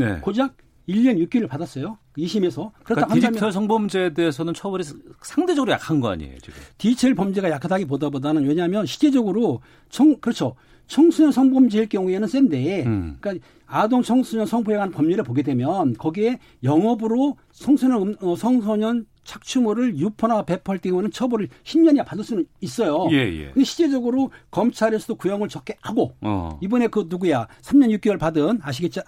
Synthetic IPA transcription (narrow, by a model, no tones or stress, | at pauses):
nḛkod͡ʑaɡ̚ | iʎːʌnjuk͈̚iɾɯɭpadas͈ʌjokiɕʰime̞sʰʌkɯɾʌtt͈ahaaʌsʰʌŋbʌmd͡ʑeːdeːsʰʌnɯnt͡ɕʰʌbɯɾisʰaŋde̞d͡ʑʌɡɯɾojakʰanɡʌa̰ɲḭḛjo̰t͡ɕiɡɯtit͡ɕʰeɭpʌmd͡ʑiɡajakʰadaɡip̬odabodanɯnwe̞ɲaɦamjʌnɕʰi̥d͡ʑed͡ʑʌɡɯɾo | t͡ɕʰʌŋkɯɾʌt͡ɕʰo | t͡ɕʰʌŋsʰuɲʌnsʰʌŋbʌmd͡ʑiɭkjʌŋue̞nɯns͈ende̞k͈a | adoŋt͡ɕʰʌŋsʰuɲʌnsʰʌŋpʰoeɡanɯnpʌmɲuɾɯɭpoɡe̞dwe̞mjʌnkʌɡie̞ | jʌŋʌbɯɾo | sʰʌŋsʰoɲʌʌsʰʌŋsʰʌɲʌn | t͡ɕʰak̚t͡ɕʰumuɾɯɭjupʰʌnape̞pʰʌɭt͈iŋwʌnɯnt͡ɕʰʌbʌɾɯɭçʰimɲʌɲijapadɯɭs͈unɯnis͈ʌjojej̰kɯndeɕʰid͡ʑed͡ʑʌɡɯɾokʌmt͡ɕʰaɾesʰʌdokujʌŋɯɭt͡ɕʌk͈eaɡoibʌne̞kɯnuɡujasʰamɲʌnjuk͈̚ewʌɭpadɯnaɕ̬ʰiɡe̞t̚t͡ɕ͈o